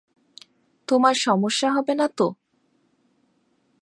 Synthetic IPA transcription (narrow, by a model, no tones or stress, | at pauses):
t̪omaɾʃɔmoʃːaɦɔbenat̪o